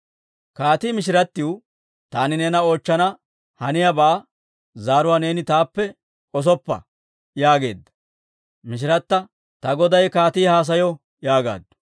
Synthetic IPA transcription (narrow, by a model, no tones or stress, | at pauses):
kaːt̪iːmɪʃ̬ɪɾɐt̪ːɪw | t̪aːnɪnɛːnɐo̞ːt͡ʃːɐnɐ | hɐnɪjɐbaː | zaːɾʊwaːne̞ːnɪt̪aːpːɛ | ɔs̬ɔpːɐ̰ | jaːɡe̞ːd̪ːɐ̥ | mɪʃ̬ɪɾɐt̪ːɐ | t̪ɐɡɔd̪ɐjkaːt̪iːhaːs̬ɐjɔ | jaːɡa̰ːd̪ːʊ̥